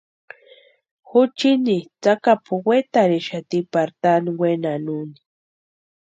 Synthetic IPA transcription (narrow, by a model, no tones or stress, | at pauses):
xut͡ʃinit͡sakapʰuwet̪aɾeʃat̪ipaɾt̪aniwenanuni̥